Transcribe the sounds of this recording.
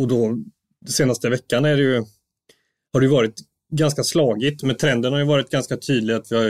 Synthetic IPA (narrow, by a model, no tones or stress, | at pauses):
ɔd̪ɔ | seːnast̪əvɛkːanæɖɛjɵ | haɖɵjɵvɑːɾɪt̪ | ɡanskaslɑːɡɪt̪mɛnt̪ʰɾɛnd̪ənhaɾjɵvɑːɾɪt̪̚ɡanskat̪ʰyːd̪lɪɡat̪vɪhaɾ